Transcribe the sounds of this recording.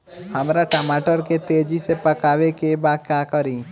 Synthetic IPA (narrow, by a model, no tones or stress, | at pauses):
hɐmɾaʈəmaːʈəɾket̪eːd͡ʒisepɐkaːʋekebaːd̪̚kjaːkəɾiː